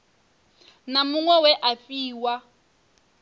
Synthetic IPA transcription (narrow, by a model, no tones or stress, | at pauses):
namuŋwɛwɛʔafiːwa